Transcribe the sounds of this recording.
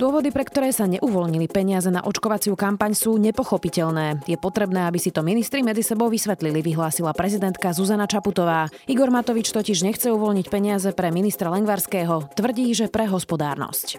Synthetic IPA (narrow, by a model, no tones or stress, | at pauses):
d̪ʊɔʋɔd̪ipɾɛkt̪ɔɾɛːsaɲɛ̰ʔuʋɔlɲilipɛɲɪazɛna̰ʔɔt͡ʃkɔʋat͡sɪukampaɲsuːɲɛpɔxɔpicɛʎnɛːjɛpɔt̪ɾɛbnɛːabisit̪ɔminist̪ɾimɛd͡zisɛbɔʊʋisʋɛt̪liliʋiɦlaːsilapɾɛzid̪ɛnt̪kazuzanat͡ʃaput̪ɔʋaːiɡɔɾmat̪ɔʋit͡ʃt̪ɔciʒɲɛxt͡sɛuʋɔlɲicpɛɲɪazɛpɾɛminist̪ɾalɛŋɡʋaɾskɛːɦɔt̪ʋr̩ɟiːʒɛpɾɛɦɔspɔd̪aːɾnɔ̰sc